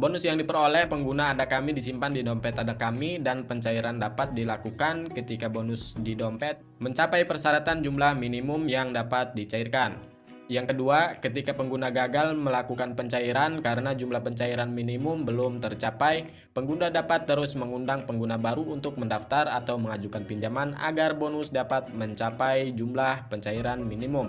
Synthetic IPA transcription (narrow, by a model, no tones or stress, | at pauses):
bonʊsjaŋdipəɾolɛhpəŋɡunaːdakamidisimpandidɔmpɛt̪adakamidanpəɲt͡ʃaiɾandapat̪̚dilakukankət̪ikabonʊsdidɔmpɛt̪̚məɲt͡ʃapajpərsaɾat̪and͡ʒumlahminimʊmjaŋdapat̪̚dit͡ʃairkan | jaŋkəduakət̪ikapəŋɡunaɡaɡalməlakukanpəɲt͡ʃaiɾankaɾənad͡ʒumlahpəɲt͡ʃaiɾanminimʊmbəlʊmt̪ərt͡ʃapaj | pəŋɡundadapat̪ːəɾʊsməŋundaŋpəŋɡunabaɾuunt̪ʊk̚məndaft̪arat̪awməŋad͡ʒukanpiɲd͡ʒamana̰ɡarbonʊsdapat̪̚məɲt͡ʃapajd͡ʒumlahpəɲt͡ʃaiɾanminimʊm